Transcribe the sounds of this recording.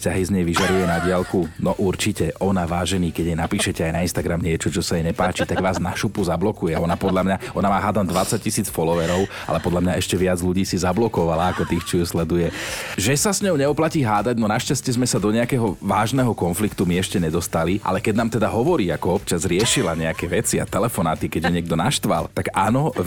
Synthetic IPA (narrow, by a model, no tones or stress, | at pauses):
scaɦizɲɛjʋiʒaɾujɛnaɟɪalkunɔʔuɾt͡ʃicɛʔɔnaʋaːʒɛniːkɛɟjɛnapiːʃɛcɛajnainst̪aɡɾamɲɪɛt͡ʃɔt͡ʃɔsajɛɲɛpaːt͡ʃit̪aɡʋaːznaʃupuzablɔkujɛɔnapɔd̪ʎamɲaʔɔnamaːɦaːd̪and̪ʋat͡sac̚cːisiːt͡sfɔlɔʋɛɾɔʊ | a̰lɛpɔd̪lamɲaɛʃcɛʋɪad͡zluɟiːsizablɔkɔʋalaːkɔt̪ixt͡ʃɔjuslɛd̪ujɛʒɛsasɲɔʊɲɛɔplaciːɦaːd̪aɟnɔnaʃcascɛzmɛsad̪ɔɲɛakɛɦɔʋaːʒnɛɦɔkɔnflikt̪umiɛʃcɛɲɛd̪ɔst̪aliʔa̰lɛkɛɟnaːmt̪ɛd̪aɦɔʋɔɾiːakɔɔpt͡ʃazɾɪɛʃilaɲɛakɛʋɛt͡sia̰t̪ɛlɛfɔnaːt̪ikɛɟjɛɲɪɛɡ̚d̪ɔnaʃt̪ʋa̰lt̪aɡaːnɔ